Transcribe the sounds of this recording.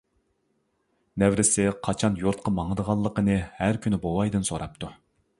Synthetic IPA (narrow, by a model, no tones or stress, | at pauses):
nɛvɾɪsɪqʰɑt͡ʃʰɑnjoɾt̪̚qʰɑmɑŋəd̪əʁɑlˠːəqənɨhæɾkʲʰynɪbowɑjd̪ɨnsoɾɑp̚t̪ʰu